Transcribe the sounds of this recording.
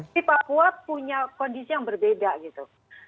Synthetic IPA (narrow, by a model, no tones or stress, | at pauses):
ipapuapuɲakɔndisijaŋbərbedaɡit̪u